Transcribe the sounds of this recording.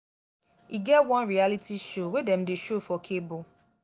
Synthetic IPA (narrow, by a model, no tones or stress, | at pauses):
iɡɛtwɔ̃nɹialitʰiʃowedɛ̃mdeʃofɔkʰebo